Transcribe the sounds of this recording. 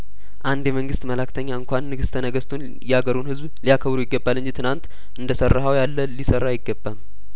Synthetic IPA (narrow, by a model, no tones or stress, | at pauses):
ʔand̪jɛməŋɡɨst̪məlakt̪ʰəɲːaɨŋkʷanːɨɡɨst̪ʰənəɡəst̪ʰun | jɛhaɡəɾunhɨzblijakʰəβɾujɪɡːəbːalːɨɲd͡ʒit̪ʰɨnant̪ | ʔɨnd̪əsərːaɦawjalːəlisərːajɪɡːəbːam